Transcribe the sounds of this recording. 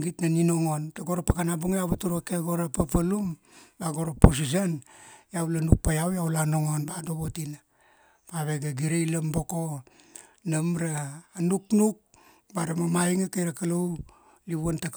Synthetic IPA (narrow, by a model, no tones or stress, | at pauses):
ɡitnaninoŋontaɡoɾapakanabuŋjaβatuɾakeɡoɾapapalum | baɡo̞ɾapos̬is̬anjawlanuk̚pajawjawlanoŋonbadoβotina | paβeɡaɡiɾejlambo̞ko | namɾaːnuknuk̚ | baɾamamajŋakajɾakalow | liβuontak